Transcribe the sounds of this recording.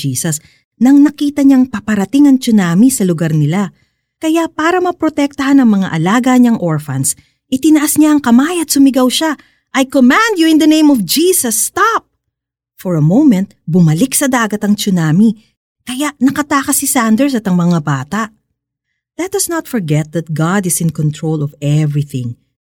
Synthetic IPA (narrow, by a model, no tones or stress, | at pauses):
iːsɐs | nɐŋnɐkiːt̪ɐɲaŋpɐpɐɾɐt̪ɪŋɐŋt͡ʃʊnaːmisɐlʊɡaɾnɪla | kɐjapaːɾɐmɐpɾot̪ɛk̚t̪ɐɦanɐŋmɐŋaʔɐlaːɡɐɲɐŋʔoɹfɐ̰ns | ʔɪt̪ɪnɐʔɐsɲaɐŋkɐmaːjɐt̪̚sʊmɪɡɐwʃa | ʔɐjkomæ̃nd̪juɪ̃nd̪ɐnẽj̃mɔvd͡ʒiːsɐsːt̪ap̚ | fɔɹɐmowmɛ̃nt̪̚bʊmɐlɪksɐd̪aːɡɐt̪ɐŋt͡ʃʊnaːmi | kɐjaʔnɐkɐt̪aːkɐsisand̪ɛɹs̬ɐt̪ɐŋmɐŋabaːt̪ɐʔ | ðɛt̪̚d̪ɐsnɐt̪fɔɹɡɛt̪̚ðɐt̪̚ɡad̪ɪsɪ̃nkɔnt̪ɹolɔvɛvɹiθɪ̰̃ŋ